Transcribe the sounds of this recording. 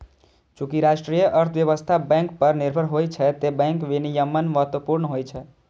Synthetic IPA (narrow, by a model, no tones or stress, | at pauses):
t͡ʃukiɾasʈɾijəʔəɾt̪ʰbjeβəst̪ʰabɛ̃ŋkpəɾniɾbʱəɾɦojt͡ʃʰɛt̪ebɛ̃ŋkʋinijəmːənməɦət̪wəpuɾnəɦojt͡ʃʰɛ